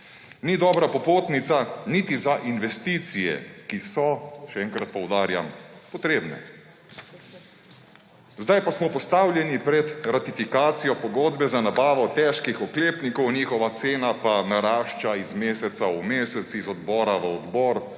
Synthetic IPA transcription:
nid̪ɔːbɾapɔpoːt̪nit̪sanit̪izaʔinʋɛst̪iːt̪sijɛ̰kisɔʃɛɛːŋkɾat̪̚pɔwd̪aːɾja̰mpɔt̪ɾeːbnɛ̰ | zd̪ajpasmɔpɔst̪aːwljɛnipɾɛt̪ɾat̪ifikaːt̪sijɔpɔɡoːd̪bɛzanabaːʋɔt̪ɛʃkixɔkleːpnikɔwniːxɔʋat̪seːnapanaɾaːʃt͡ʃaizmeːsɛt̪saumeːsɛt̪sizɔd̪bɔːɾaʋəɔd̪bɔːɾ

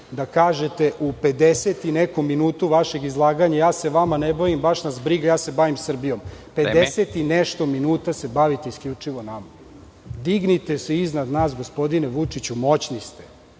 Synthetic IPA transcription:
d̪akaːʒet̪e̞ʔupe̞d̪eset̪inekomːinuːt̪uʋaʃe̞ɡizlˠaːɡaɲajaːse̞ʋamanebaʋimbaʃnazbɾiɡajaːse̞baʋimsr̩bijo̞mped̪eset̪ineʃt̪o̞minuːt̪ase̞baʋit̪eiskʎʲut͡ʂiʋonama | d̪iɡnit̪eseiznad̪naːs̬ɡo̞spo̞d̪ineʋut͡ʂit͡ɕumo̞t͡ɕnist̪e

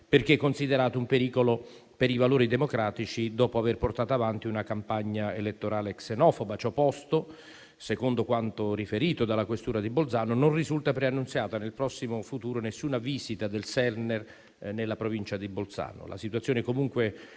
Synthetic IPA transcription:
perk̟ekːonsid̪eɾaːt̪oumpeɾiːkolo | peɾivaloːɾid̪emokɾaːt̪it͡ʃid̪ɔːpoaverport̪aːt̪oavant̪iunakampaɲːaelet̪ːoɾaːleksenɔːfobat͡ʃɔpːɔst̪o | sekond̪okwant̪orifeɾiːt̪od̪alːakwest̪uːɾad̪ibolt̪saːnononrizult̪apɾeanːunsjaːt̪anelpɾɔsːimofut̪uːɾonesːuːnaviːzit̪ad̪elsɛrnɛr | nelːapɾovint͡ʃad̪ibolt̪sa̰ːno̰lʔa̰sit̪wuat̪sjoːnɪkomuŋkwe

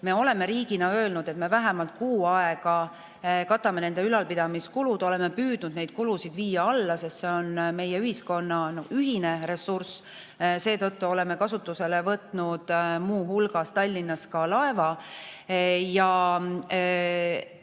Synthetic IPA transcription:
me̞o̞le̞me̞ɾiːɡ̥inɑø̞ːlnud̪̥e̞t̪me̞væɦɛmɑlt̪̚kuːɑeɡ̥ɑ | kɑt̪ːɑme̞ne̞nd̪eylɑlpid̪ɑmiskulud̪̥o̞le̞mepyːd̪̥nud̪ne̞jd̪̥̚kulusid̪viːjɑɑlːɑse̞st̪se̞o̞nme̞jeyhisko̞nːɑnoyɦine̞re̞sːurs | se̞ːt̪ɤt̪ːuo̞le̞me̞kɑsut̪ːˑuse̞levɤt̪ˑnud̪̥muːɦulɡ̥ɑst̪ɑlʲːinːɑskɑlɑe̞vɑ | jɑ

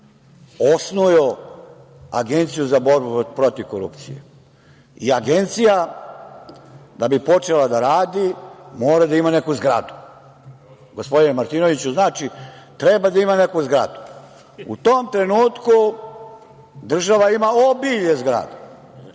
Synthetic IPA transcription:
o̞snujo | a̰ɡe̞nt̪sijuzabo̞ɾbupɾo̞t̪iʋkoɾṵpt̪sḭjḛ | iaɡe̞nt̪sija | d̪abipo̞t͡ʃe̞lad̪aɾaːd̪imoːɾad̪aimane̞kuzɡɾa̰d̪u̥ | ɡo̞spod̪inemaɾt̪ino̞ʋit͡ɕuznaːt͡ʃit̪ɾebad̪aimane̞kuzɡɾa̰d̪u̥ | ṵt̪oːmt̪ɾe̞nuːt̪ku | d̪r̩ʒaʋaimaobiʎezɡɾa̰d̪e

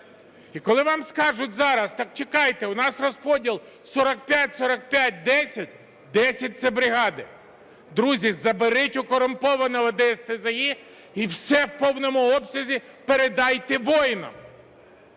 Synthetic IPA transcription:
ikɔlˠɪʋɑmskɑʒʊtʲzɑɾɐst̪ɑk̚t͡ʃekɑjt̪eʊnɑsrɔspɔdʲilˠ | sɔɾɐk̚pʲjatʲsɔɾɐk̚pʲjat̚ʲd̪ɛsʲɐtʲ | d̪ɛsʲɐt̚ʲt̪sɛbɾɪɦɑd̪ɪ | d̪ɾuzʲizɐbeɾɪtʲʊkɔɾʊmpɔʋɐnɔɦɐd̪ɛst̪ezɐji | iwsɛwpɔwnɔmʊɔbsʲɐzʲi | peɾed̪ɑjt̪eʋɔjnɐ̰

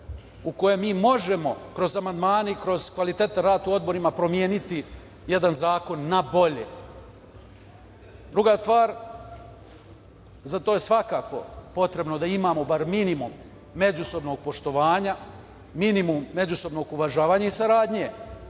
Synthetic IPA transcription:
uko̞jemiːmo̞ʒe̞mo̞kɾo̞zamand̪maːneikɾo̞zkʋalit̪eːt̪aɾaːt̪uo̞d̪̚bo̞ɾimapɾo̞mjeːnit̪i | je̞d̪anzaːko̞nːabo̞ʎḛ | d̪ɾuɡast̪ʋaːɾ | zat̪o̞ːje̞sʋakaːko̞̰po̞t̪ɾe̞bno̞d̪aimaːmo̞baɾminimumː | e̞d͡ʒuso̞bno̞ɡ̚po̞ʃt̪o̞ʋaːɲa | minimumːe̞d͡ʑuso̞bno̞ːɡuʋaʒaːʋaːɲaisaɾaːd̪ɲe̞

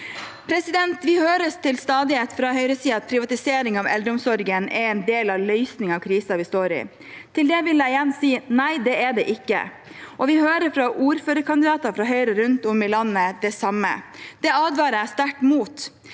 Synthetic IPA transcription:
pʰɾɛsɪd̪ɛnt̪ʋɪhøːɾəst̪ʰɪlst̪ɑːd̪ɪheːt̪fɾɑhœʏɾəsiːɑt̪̚pʰɾɪʋɑt̪ɪseːɾɪŋɑʋɛ̰ld̪ɾəʊmsɔɾɡənʔɛɾɛnd̪eːlɑʋlœʏsnɪŋɑʋkʰɾiːsɑʋɪst̪oːɾɪ̰ | t̪ʰɪld̪ɛʋɪljæɪjɛnːsiːnæɪd̪ɛɛɖɛʔɪkːə̰ | ʔɔʋɪhøːɾəɾfɾɑʔuːɾføːɾəkʰɑnd̪ɪd̪ɑːt̪ɑfɾɑɦœʏɾəɾʉnt̪ɔmɪlɑnːəd̪ɛsɑmːə̰d̪̥ɛɑːd̪ʋɑːɾəæst̪æʈmuːt̪

